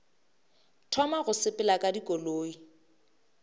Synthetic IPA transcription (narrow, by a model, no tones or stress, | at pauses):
tʰɔmaɣʊsɪpʼɪlakʼadikʼoloːi